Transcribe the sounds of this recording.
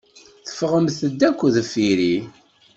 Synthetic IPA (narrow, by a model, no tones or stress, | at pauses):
θə̥fʁəmθəd̪ːækʷːðəfiɾi